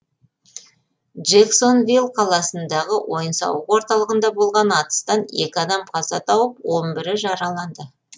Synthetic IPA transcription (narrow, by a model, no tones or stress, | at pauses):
ʒekso̞nvilˠqʰɑlˠɑsənd̪ɑʁəwʔo̞jənsɑ̰wəqwo̞ɾt̪ɑlˠəʁənd̪ɑbo̞lˠʁɑnɑt̪ə̥st̪ɑne̞̰kʲɪɑd̪ɑmqʰɑzɑt̪ʰɑwəp̚wo̞nbɪɾɪʒɑɾɑlˠɑnd̪ə